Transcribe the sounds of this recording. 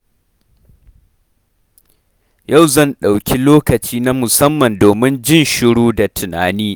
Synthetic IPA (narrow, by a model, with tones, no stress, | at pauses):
ja˦˨wzɐ˦˨nɗa˨wkʲʰi˦loː˦kɐ˨t͡ʃiː˦na˦mʊ˨sɐ˦mːɐ˨ndoː˨mɪ˦nd͡ʒɪ˦nʃɪ˦ɽuː˦da˨tʰʊ˨naː˨niː˦